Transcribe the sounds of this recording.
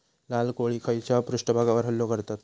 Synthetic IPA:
lalkoɭikʰəjt͡ɕapɾuʂʈəbʱaɡaʋəɾɦəlːokəɾt̪at̪

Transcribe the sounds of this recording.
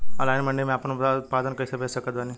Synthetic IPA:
a̰lajnməɳɖemẽaːpənubd̪aut̪̚pad̪ənkəisebʱesəkət̪bani

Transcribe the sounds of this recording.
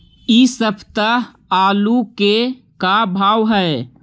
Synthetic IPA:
isəpʰt̪aɦ | aːluke | kabʱaːwɦɛː

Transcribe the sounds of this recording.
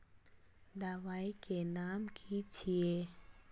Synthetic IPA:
d̪awajkenamkʰit͡ɕʰie

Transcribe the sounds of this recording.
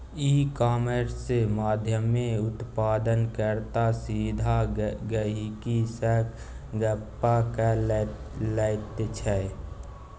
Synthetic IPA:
iːkaːməɾsːemaːd̪ʱjəmːeʊt̪paːd̪ənkəɾt̪asid̪ʱaɡəikisək | ɡəpːaka | lɛɪt̪t͡ʃʰɛ

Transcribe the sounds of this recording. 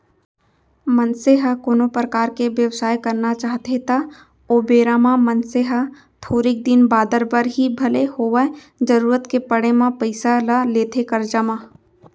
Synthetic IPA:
mənseɦakoːnopɾəkaːɾkeʋjəʋsaːjkɐɾnat͡ʃaːɦt̪et̪a | oːbeːɾaːmãmə̃nseɦa | t̪ʰoːɾɪk̚d̪ɪnbaːd̪əɾbəɾɦibʱɐlehoːʋə | d͡ʒɐɾuːɾət̪kepɐɽemãpɐɪsalaleːt̪ʰekɐɾd͡ʒəmã

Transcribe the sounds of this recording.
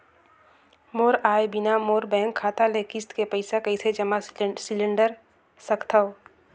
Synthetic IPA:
moːɾaːebɪnamoːɾbɛ̃ːŋkʰːaːt̪alekɪst̪kepəɪsakəɪsed͡ʒəmasɪlɪ̃ɳɖəɾ | səkʰt̪ʰao

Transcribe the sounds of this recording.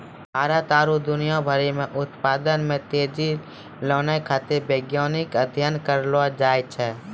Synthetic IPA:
bʱaːɾət̪aːɾud̪ʊnɪjãbʱəɾimẽʔʊt̪paːd̪ənmẽt̪eːd͡ʒi | loːnakʰaːt̪ebeːɡjaːnɪkəd̪ʱjənkəɾlad͡ʒaːjt͡ʃʰɛː

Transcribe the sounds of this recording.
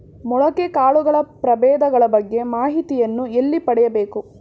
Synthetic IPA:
mɔɭɐkekaːɭuɡɐɭɐpɾɐbɛːd̪ɐɡɐɭɐbɐɡːe̞maːɦit̪ijɐnːuelːipɐɽɛjɐbe̞ːku

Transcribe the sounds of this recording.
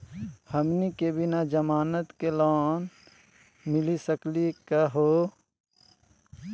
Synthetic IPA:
həmnikebɪnad͡ʒəmaːnət̪kelaːn | mɪlisəklikaɦoː

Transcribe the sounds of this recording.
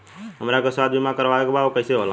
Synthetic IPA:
ɦəmɾaɡəsʋaːd̪bʱimãkəɾʋaekbaokəiseɦola

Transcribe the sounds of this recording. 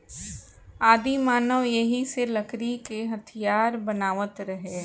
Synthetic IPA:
aːd̪imaːnəʋjɐɦiselɐkɾikeɦɐt̪ʰijaːɾbɐnaːʋət̪ɾɐɦeː

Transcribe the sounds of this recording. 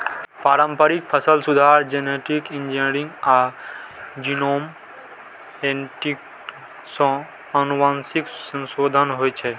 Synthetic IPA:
paːɾəmpəɾik̚pʰəsəlsud̪ʱaɾd͡ʒeneʈikind͡ʒinɾĩŋɡa | d͡ʒinoːm | enʈik | sɔ̃ | ənuʋaːnsiksə̃nsoːd̪ʱənɦojt͡ʃʰɛ

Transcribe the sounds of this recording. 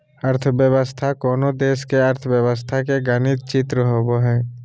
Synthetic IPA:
əɾt̪ʰəbjəʋəst̪ʰakoːnod̪eːʃkeəɾt̪ʰəʋjəʋəst̪ʰakeɡənɪt̪̚t͡ʃɪt̪ɾəɦoboɦɛ̃ː

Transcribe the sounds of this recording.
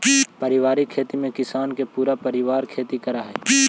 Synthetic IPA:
pəɾɪʋaːɾikʰːeːt̪imẽkɪsaːnkepuːɾapəɾɪʋaːɾkʰeːt̪ikəɾaɦɛ̰ː

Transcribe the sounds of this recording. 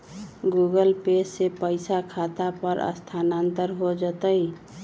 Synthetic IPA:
ɡuɡəlpesːepəɪsakʰat̪apəɾə̰st̪ʰanant̪əɾɦod͡ʒət̪əi

